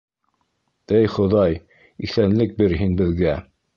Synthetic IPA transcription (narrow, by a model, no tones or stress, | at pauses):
ɘjχŏðɑj | iθænlɘk̚bɘɾɦinbɘ̆ðɡæ